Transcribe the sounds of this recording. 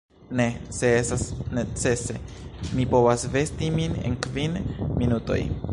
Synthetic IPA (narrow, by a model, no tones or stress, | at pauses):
ne̞se̞esasne̞t͡se̞se̞mipo̞vasve̞stiminḛnkvinminuto̞̰j